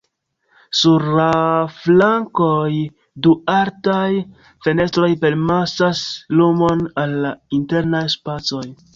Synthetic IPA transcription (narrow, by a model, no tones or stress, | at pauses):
suɾːaflaŋkoj | duaɾtaj | fene̞stɾo̞jpe̞ɾmasaslumo̞nalːainte̞ɾnajspat͡so̞j